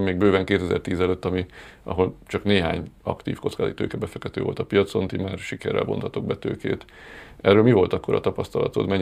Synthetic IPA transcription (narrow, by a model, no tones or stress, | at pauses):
mːeːɡ̚bøːvɛŋkeːt̪ɛzɛ̰rt̪iːzɛløːt̪ːɒmiʔɒ̰ɦo̞lt͡ʃɒkneːɦaːɲɒ̰kt̪iːfko̞t̪skaːzit̪ø̰ːkɛbɛfɛkt̪ːɛt̪øːvo̞̰lt̪ɒpijɒt̪so̞nt̪imaːrʃikɛ̰ɾːɛ̰lbo̞̰nt̪ɒt̪oɡ̚bɛt̪ø̰ːkḛːt̪ | ɛrːøːlmivo̞lt̪ɒkːo̞ɾɒ̰t̪ɒpɒst̪ɒlɒ̰t̪o̞t̪mɛɲ